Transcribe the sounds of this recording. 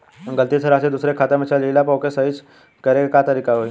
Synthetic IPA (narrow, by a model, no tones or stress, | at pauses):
ɡəlt̪it̪ʰeɾaːsed̪usɾekʰaːt̪emet͡ʃʰalilapɔːkesəit͡ʃ | kɐɾeɡekat̪əɾiːkaɦoi